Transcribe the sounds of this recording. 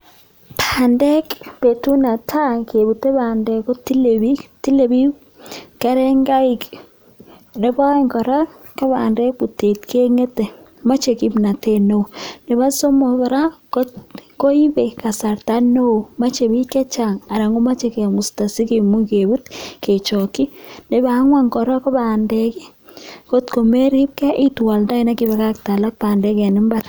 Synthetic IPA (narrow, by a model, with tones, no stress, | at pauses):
tʰandɛ˦kpe˨tu˦na˨tʰa˦ke˨bu˨te˦ba˨ndɛ˨ko˦ti˦lebi˦ti˦le˨bi˦ | kɛ˦ɾɛ˦ŋɡa˦i˦k | ne˦bɔ˦i˦ŋkɔ˨ɾa˦ | ka˦ba̰˨ndɛ˦k̚bu˨te˨tkʰe˦ŋe˦te˨ | ma˦t͡ʃe˨ki˦mna˨te˦no˦nɪ˨βa˦so˦mo˨kɔ˨ɾa˦ko˦tko˦i˦be˨ka˨sa˨ɾta˦no˦u˨ma˦t͡ʃe˨bi˦ke˦t͡ʃa˨ŋa˨ɾa˨ŋu˦ma˦t͡ʃe˨ke˨mu˨sta˨si˦ki˨mu˦kebu˦tkʰe˨t͡ʃo˨ki˦ne˨ba˨˦ŋwa˦ŋkɔ˨ɾɔ˦kɔ˦ba˨ndekɛ˦ | ko˦tko˨me˦ɾi˦p̚kɛ˦ʔi˦twa˨lda˦i˦na˦ki˦bɛ˨ka˦k̚ta˨la˦k̚pa˨ndɛ˦kɛ˨nɪ˦mba˦ɾ